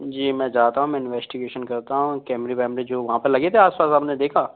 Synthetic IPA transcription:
d͡ʒiːmɛ̃ːd͡ʒaːt̪aɦũmɛ̃ɪnʋɛːsʈɪɡeːʃənkɐɾt̪aɦũkɛːmɾipɛːmɾid͡ʒoːʋɐɦãpɐlɐɡet̪ʰeaːspaːsaːpned̪eːkʰaː

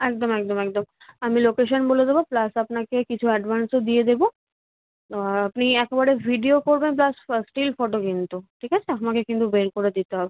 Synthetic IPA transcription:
ɛk̚d̪omɛk̚d̪omɛk̚d̪om | amilokeʃonboledeboplasapnakekit͡ɕʰuɛɖbʱansod̪ied̪ebo | apniɛkebaɽebʱiɖiokoɾbenp̬lassʈilfoʈokint̪uʈʰikat͡ɕʰeapmakekint̪ubeɾkoɾed̪it̪eɦɔbe

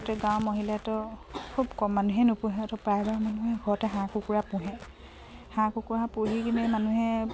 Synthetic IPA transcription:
tɛɡãw̃mɔɦilatɔkʰubkɔmːanuɦɛnʊpʊɦɛ̃tɔpɹajbaɹmanuɦɛɡʱɔɹɔtɛɦãkukuɹapʊ̃ɦɛ̃ | hãkukuɹãpoɦikinɛmanuɦɛ

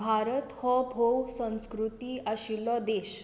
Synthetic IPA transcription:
bʱaɾət̪hɔbʱowsə̃skɾut̪iːaɕilɔd̪eɕ

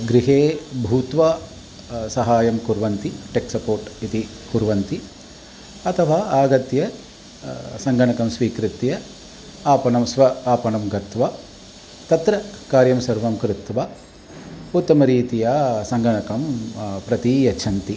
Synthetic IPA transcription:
ɡɾiɦeːbʱuːt̪ʋaː | sɐɦaːjɐmkuɾʋɐnt̪iʈeksɐpoːɾʈit̪i | kuɾʋɐnt̪i | ɐt̪ʰɐʋaːaːɡɐt̪jɐ | sɐŋɡɐɳɐkɐmsʋiːkɾit̪jɐ | aːpɐɳɐmsʋɐaːpɐɳɐmɡɐt̪ʋa | t̪ɐt̪ɾɐkaːɾjɐmsɐɾʋɐmkɾɪt̪ʋa | ut̪ːɐmɐɾiːt̪ijɐsɐŋɡɐɳɐkɐmpɾɐt̪ijɐt͡ʃʰɐnt̪i

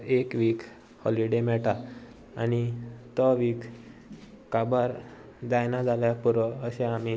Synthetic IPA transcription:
ekʋiːk | hɔliɖemɛɭʈa | a̰nit̪əʋiːk | kabaɾ | d͡zajnad͡zʱaljapuɾəəɕẽami

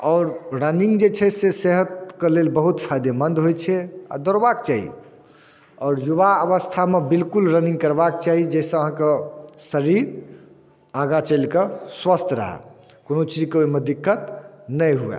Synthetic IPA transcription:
ɔːɾɾənĩŋɡd͡ʒet͡ʃʰɛseseɦət̪kelelbəɦut̪pʰajd̪emənd̪ɦojt͡ʃʰɛa̰d̪ɔɾbakt͡ʃaɦḭ | ɔːɾjuβaəʋəst̪ʰamebilkulɾənĩŋɡkəɾbakt͡ʃaɦid͡ʒɛsẽəɦãkesəɾiɾ | aɡat͡ʃəlkeswəst̪ʰɾə̰ɦɛ̰ | konot͡ʃid͡ʒkeoimed̪ikːət̪nəjɦuɛ̰

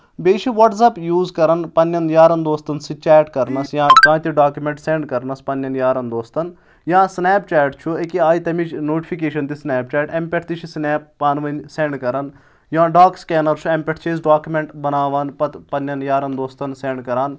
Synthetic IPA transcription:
beːt͡ʃʰiʋɐʈzɐpjuːzkɐɾɐnpɐnːjɐnjaːɾɐnd̪oːst̪ɐnsit͡ʃɛːʈkɐɾnɐsjãːkãːt̪iɖaːkjumẽɳʈseɳɖkɐɾnɐspɐnjɐnjaːɾɐnd̪oːst̪ɐn | jãːsnɛːp̚t͡ʃɛːʈt͡ʃʰuekiaːjit̪ɐmit͡ʃʰnoːʈipʰikeːʃɐnt̪isnɛːp̚t͡ʃɛːʈempʲeʈʰt̪it͡ʃʰisnɛːp̚ːaːnʋɐnseɳɖkɐɾɐn | jãːɖaːkskʲɛːnɐɾt͡ʃʰuempʲeʈʰt͡ʃʰez̬ɖaːkumeɳʈbɐnaːʋaːnpɐt̪pɐnːɐnjaːɾɐnd̪oːst̪ɐnseɳɖkɐɾaːn

